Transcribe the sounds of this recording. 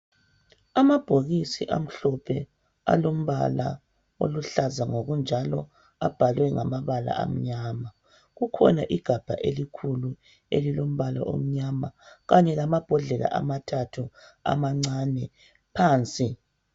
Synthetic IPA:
amab̥ʱoɣisiʔa̰m̩ɬɔpʰɛ | a̰lom̩βa̰la̰ | o̰luɬazaŋoɣund͡ʒʱalɔ | ab̥ʱalwɛŋamaβala̰ʔa̰m̩ɲaːma | ɣukʰɔ̰naʔiɡ̥ʱab̥ʱa̰ʔelikʰulu | ḛlilom̩βala̰ʔo̰m̩ɲamaɣaɲɛlamab̥ʱɔɮɛla̰ʔamatʰatʰua̰maŋ͡ǀanɛ | pʰaːnt͡sʼi

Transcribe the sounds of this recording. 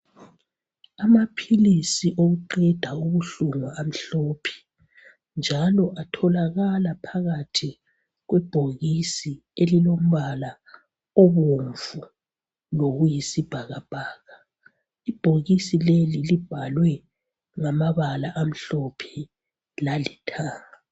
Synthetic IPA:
amapʰilisiʔoɣuǃɛd̥ʱauɣuɬuŋaam̩ɬɔpʰɛ̥ | nd͡ʒʱalɔʔatʰɔlaɣalapʰaɣatʰi | ɣwɛb̥ʱoɣisi | elilom̩βala | oβoɱvu | loɣujisib̥ʱaɣab̥ʱaːɣa | ib̥ʱoɣisilelilib̥ʱalwɛ | ŋamaβalaʔam̩ɬɔpʰɛ | lalitʰaː

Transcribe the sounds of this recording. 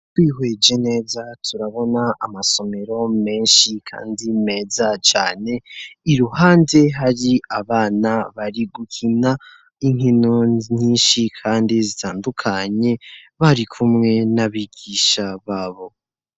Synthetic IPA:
twiːɦwe̞ːd͡ʒene̞ːzatʰuɾaβo̞naamaso̞me̞ɾo̞me̞ːnʃikʰa̰ːndime̞ːzat͡ʃa̰ːne̞iɾuhaːnde̞ɦaɾiaβaːnaβaɾiɡukʰina | iŋ̥hinoɲiːnʃikʰaːndizitʰaːndukʰaɲe̞βaɾikʰumŋe̞naβiɡiʃaβaːβo̞

